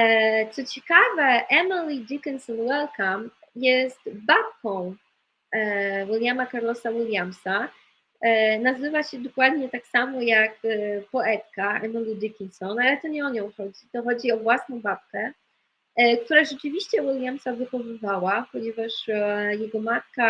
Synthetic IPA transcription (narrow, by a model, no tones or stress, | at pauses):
t̪sɔt͡ɕɛkavɛʔɛmilʲid̪ʲikʲɛnsɔnwɛlkam | jɛst̪bap̚kɔ̃w̃ | wilʲjamakaɾlɔsawilʲjamsa | nazɘvaɕɛd̪ɔkwad̪ɲɛt̪aksamɔjakpɔɛt̪kaɛmilʲid̪ikʲinsɔnalɛt̪ɔɲɛɔɲɔ̃w̃xɔd͡ʑit̪ɔxɔd͡ʑiɔvwasnɔ̃w̃bap̚kɛ | k̚t̪uɾaʐɛt͡ʂɨvʲiɕt͡ɕɛwilʲjamsavɘxɔvɘvawapɔɲɛvaʂjɛɡɔmat̪̚ka